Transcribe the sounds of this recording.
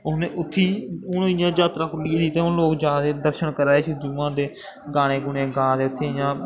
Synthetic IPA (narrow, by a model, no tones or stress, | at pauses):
ʊneʔʊt̪ʰːiːʊnːɪjãːd͡ʒaːt̪ɾãːkʰʊlːiãːsiːt̪ẽːʊloːkd͡ʒaːd̪eːd̪əɾʃəɳkəɾaːeːt͡ʃʰid͡ʒuʋãːd̪eː | ɡaːɽ̃eːɡʊɳẽːɡãːd̪eːʊt̪ʰːẽːɪjãː